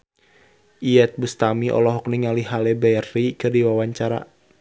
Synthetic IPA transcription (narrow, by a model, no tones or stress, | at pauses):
ʔiɛt̪̚bust̪amiʔɔ̰lɔɦɔkniŋaliɦalɛbɛrːikɨrdiwawaɲt͡ʃaɾa̰